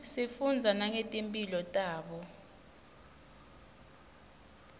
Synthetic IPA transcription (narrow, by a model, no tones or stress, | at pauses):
sifund͡zʱanaŋetʼimpʼilɔtʼaːɓɔ